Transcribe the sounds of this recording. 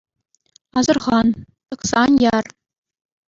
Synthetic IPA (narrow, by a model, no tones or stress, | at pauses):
ɑzɤ̆rʁɑn | t̪ɤ̆ksɑnjɑr